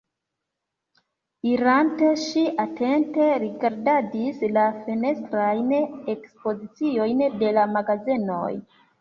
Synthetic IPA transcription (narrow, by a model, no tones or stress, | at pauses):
iɾante̞ʃiʔatʰe̞nte̞ɾiɡaɾdadislafene̞stɾajnekspo̞zit͡sio̞jnde̞lamaɡazino̞̰j